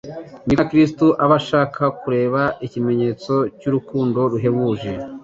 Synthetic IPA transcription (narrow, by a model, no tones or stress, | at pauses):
miakɾistuʔaβaʃaːkʰakuɾe̞ːβaicime̞ɲe̞ːt͡so̞cuɾukuːndo̞ɾuɦe̞βuːʒe̞